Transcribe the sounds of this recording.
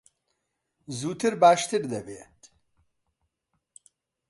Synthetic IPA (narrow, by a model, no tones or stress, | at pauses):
zuːt̪ʰiɾbaːʃt̪iɾd̪ɐbeːt̪